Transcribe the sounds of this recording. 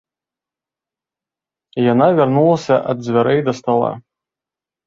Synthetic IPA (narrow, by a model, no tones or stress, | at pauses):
ijanavʲarnulˠɐsʲɐʔɐd̪zʲvʲaɾɛjd̪ɐst̪alˠa̰